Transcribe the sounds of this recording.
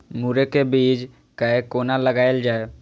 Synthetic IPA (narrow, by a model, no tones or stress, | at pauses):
muɾekebiːd͡ʒ | kəekoːnaləɡaːeld͡ʒaːe